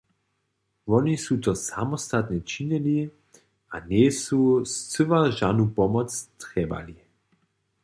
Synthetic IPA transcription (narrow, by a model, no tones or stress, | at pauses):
ʋɔnisut̪ɔsamɔst̪at̪nɛt͡ʃiɲɛli | anɛsust͡səʋaʒanupɔmɔt͡st̪ʁɛba̰li